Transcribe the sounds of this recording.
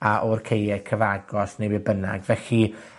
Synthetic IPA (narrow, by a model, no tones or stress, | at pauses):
aʔɔrkʰejɛkʰəvaɡɔsnejbɪbəna̰ɡvɛɬi